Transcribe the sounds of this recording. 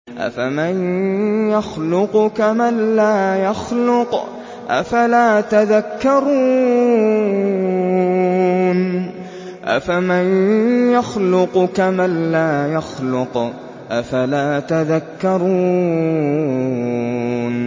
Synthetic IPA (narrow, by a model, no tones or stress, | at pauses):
ʔa̰famanjaxlʊqkamalːaːjaxlʊq | ʔa̰falaːt̪aðakːɑɾˤuː | n | ʔa̰famanjaxlʊqkamalːaːjaxlʊq | ʔafalaːt̪aðakːɑɾˤuː | n